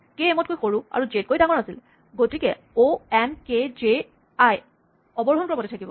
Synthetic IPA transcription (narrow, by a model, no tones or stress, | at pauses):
keemɔt̚kojxoɹua̰ɹuzet̚kojdaŋɔɹasil | ɡotikɛ | oɛnkeze | aj | ɔbɔɹɦɔnkɔɹɔmɔtɛtʰakibɔ̰